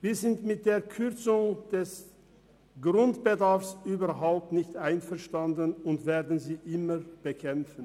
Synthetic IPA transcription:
viːɐzɪntmɪt̚d̥eːɐkʰʏɐt͡sʊŋd̥ɛs | ɡ̥ʁʊntb̥ədaɐfsʔyːbɐɐɦaʊp̚tnɪçtʔaɪnfɛɐʃtandənʊntv̥eːɐdn̩ziːʔɪmɐb̥əkʰɛmfn̩

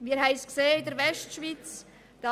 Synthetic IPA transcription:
miːəhɦæɪskseːɪdəɾvɛʃtʃvit͡s | d̥ɑ

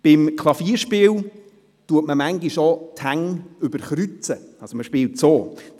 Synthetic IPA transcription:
b̥ɪmkʰlˠɑfiːəɾʃpɪːl | tuətməmaŋɡiʃotʰhaŋʏbəɾχɾyt͡səɑsoməʃpɪːltsoː

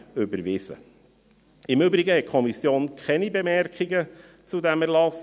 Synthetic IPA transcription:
ʏbəɾʋɪzə̰ | ɪmɵbɾiɡəhɛt̚kʰɔmisjoːnkʰχɛnibemɛɾkχiɡə | t͡sudæmæɾlɑs

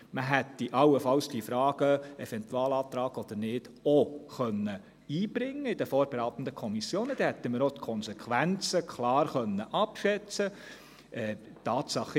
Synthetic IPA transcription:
məɦɛt̪ːiʔɑləfɑlsd̥ifɾɑːɡ̥əɛfɛntwɑːlɑːt̪ɾɑːɡ̥ɔd̥̪əɾnɪːd̥oχœnːə | iːbɾɪŋːəid̥əfoːɾb̥eɾɑːt̪n̩d̪əkʰɔmisjoːnəd̥̪ɛhɛt̪ːəməɾot̪kʰɔnsɛkʰʋænt͡səkʰlɑːrχœnːəʔɑpʃɛt͡sə | ʔɛ | tːɑːt̪sɑχ

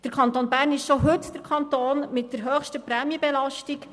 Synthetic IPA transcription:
d̥əɾkʰɑnt̪oːnbæːɾnɪʃʃoɦʏtd̥əɾkʰɑnt̪oːnmɪtdəɾɦøχʃtəpɾɛːmjəbɛlɑʃtik

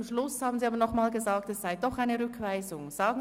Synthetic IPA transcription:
mʃlʊshaːbn̩ziːaːbɐnɔχmaːlɡəzaːk̚tɛsz̥aɪdɔχaɪnəʁʏkʰv̥aɪzʊŋz̥aːɡ̩

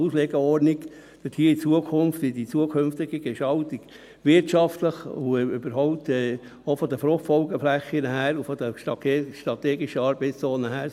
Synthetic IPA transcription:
usleːɡəɔɾniɡ | d̥̪əthiːəit͡suəkʰʊnftʋɪdit͡suəkʰømft̪ɪɡ̥əɡɛʃɑltiɡ̥ | ʋɪɾtɑft̪ləχuøbəɾɦɔʊp̚t̪ɛː | ofɔd̪əfɾʊχtfɔlɡəflæχːinəɦæːɾufɔd̪əʃtɾɑtʰeʃtɾɑt̪eːɡiʃəɑɾbɛɪt͡sst͡sɔːnəɦæːɾ

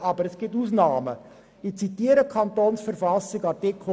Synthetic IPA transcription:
ɑbəɾɛsɡ̥ɪtuːsnɑːmə | ɪt͡sit̪iːəɾəkʰɑnt̪oːnsfəɾfɑsɪɡɑtekʰo

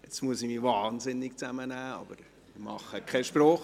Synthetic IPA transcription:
ɪt͡stmuəsɪmiʋɑːnzɪnːɪkt͡sæmənæːɑ̰b̥əɾ | ɪmɑ̰χːəkʰɛʃpɾɔːχ

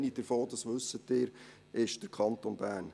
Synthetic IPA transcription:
nid̥əɾfoːd̥ɑsʋʉsətɪːɾ | ʔɪʃd̥əɾkʰɑntonbæːɾn

